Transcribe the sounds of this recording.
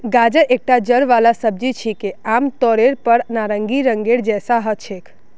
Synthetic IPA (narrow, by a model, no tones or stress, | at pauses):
ɡad͡ʒəʔek̚ʈad͡ʒəɾʋalasəb̚d͡ʒit͡ʃʰikeamt̪ɔɾeɾpəɽnaɾəŋɡiɾəŋɡeɽd͡ʒɛsaɦəʃʰek